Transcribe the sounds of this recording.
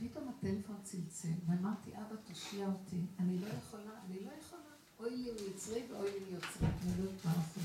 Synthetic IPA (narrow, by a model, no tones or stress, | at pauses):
pito̞matelefo̞nat͡silt͡selveamaʁtiʔabatoʃiaotʰianilo̞jeχolaːnilo̞jeχona | ʔojlijot͡sʁiveojlijot͡sʁianilojotvalaχo